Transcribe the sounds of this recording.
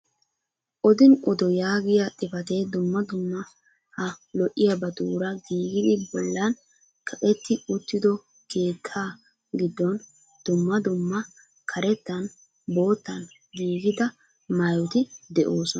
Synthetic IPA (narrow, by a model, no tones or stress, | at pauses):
ʔɔd̪ɪnʔɔd̪ɔjaːɡɪjɐt̪ʼɪfɐt̪ed̪ʊmːɐd̪ʊmːɐ | hɐlɔʔːɪjɐbɐd̪uːɾɐɡiːɡɪd̪ɪbɔlːɐn | kʰɐkʼɛt̪ːɪʊt̪ːɪd̪ɔ | ke̞ːt̪ʰːaː | ɡɪd̪ːɔn | d̪̥ʊmːɐd̪ʊmːɐ | kʰɐɾɛt̪ːɐn | bo̞ːt̪ːɐn | ɡiːɡɪd̪ɐ | mɐjɔt̪ɪd̪ɛʔo̞ːsɔn